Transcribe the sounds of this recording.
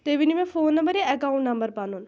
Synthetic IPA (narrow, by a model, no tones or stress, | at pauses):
t̪eːʋɪnimɛ̃ːpʰoːnːəmbəɾjaɛkaːũɳʈnəmbəɾpɐnũn